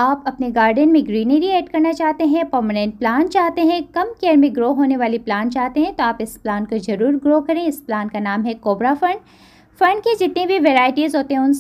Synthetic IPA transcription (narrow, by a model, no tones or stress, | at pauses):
aːpɐpneɡaːɾɖənmẽɡɾiːneɾiɛːʈkɐɾnat͡ʃaːɦt̪eɦɛ̃pɐɾmənɛ̃ɳʈ̚plaːnt͡ʃaːɦt̪eɦɛ̃kɐmkɛɾmẽɡɾoːɦoːneʋaːliplaːnt͡ʃaːɦt̪eɦɛ̃t̪oaːpɪsplaːnkozɐɾuːɾɡɾoːkɐɾẽːɪsplaːnkanaːmɦɛkoːbɾafɐ̃ɳɖ | fɐ̃ɳɖked͡ʒɪt̪nẽbʱiʋeːɾaːɪʈizɦoːt̪eɦɛ̃ʊns